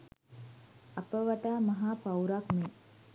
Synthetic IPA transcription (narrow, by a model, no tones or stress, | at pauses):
apəʋaʈaːmɐɦaːpawɾakme